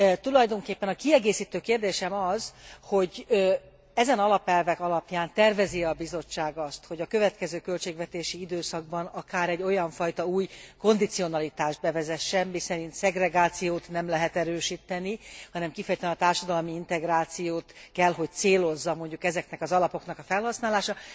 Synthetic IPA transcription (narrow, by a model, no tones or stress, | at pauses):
t̪ulɒjd̪o̞ŋkeːpːɛnɒkiɛɡeːsiːt̪øːkeːrd̪eːʃɛmɒzho̞ɟ | ɛzɛnɒlɒpɛlvɛkɒlɒpjaːnt̪ɛrvɛziɒbizo̞t͡ʃːaːɡɒst̪ho̞ɟɒkø̞vɛt̪kɛzøːkø̞lt͡ʃeːɡvɛt̪eːʃiid̪øːsɒɡ̚bɒnɒkaːɾɛɟːo̞jɒɱfɒjt̪ɒuːjko̞nd̪it̪sio̞nɒlit̪aːʒd̪̚bɛvɛzɛʃːɛmmisɛɾint̪sɛɡrɛɡaːt̪sijoːt̪nɛmlɛɦɛt̪ɛɾøːʃiːt̪ɛnihɒnɛmkifɛjɛt̪ɛnɔt̪aːrʃɒd̪ɒlmiint̪ɛɡraːt̪sijoːt̪kɛlɦo̞c̚t̪seːlo̞zːɒmo̞ɲɟukɛzɛknɛkɒzɒlɒpo̞knɒkɒfɛlhɒsnaːlaːʃɒ